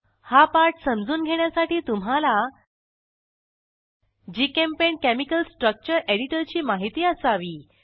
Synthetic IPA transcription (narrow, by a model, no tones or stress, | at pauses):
hapaɾʈsəmd͡zuːnɡʱeɽ̃jasaʈiːt̪um̤ala | d͡ʑikempeɳkemikəlsʈɾək̚t͡ɕəɾeɽiʈəɾt͡ɕiːmaɦit̪iːəsaʋiː